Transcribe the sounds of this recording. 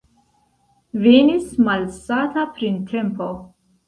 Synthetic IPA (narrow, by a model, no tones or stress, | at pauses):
veːnismalsat̪ʰapʰɾint̪ʰɛmpʰɔ